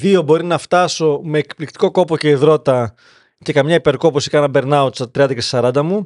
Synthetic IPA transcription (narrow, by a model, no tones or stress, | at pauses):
ðio̞bo̞ɾinɐft̪ɐso̞me̞ːkplikt̪i̥ko̞ko̞po̞ce̞iðɾo̞t̪ɐ | ce̞kɐmɲɐipe̞ɾko̞posi̥kɐnɐbe̞ɾnɐot̪sɐt̪ɾiɐnd̪ɐcessɐɾɐnd̪ɐmu